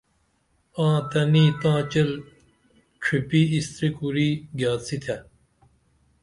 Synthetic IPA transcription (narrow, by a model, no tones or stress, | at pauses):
ãːt̪ɐniːt̪ãːt͡ɕɐl | ʈ͡ʂʰipiːist̪ɾikuɾiːɡjaːsit̪ʰɐ